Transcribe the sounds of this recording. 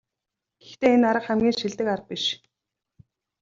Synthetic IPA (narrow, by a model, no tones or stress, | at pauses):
ɡ̥ext̪eːenaɾə̆qχæmɡʲiːnŋʃiɮt̪ɘ̆karə̆t̚piʃ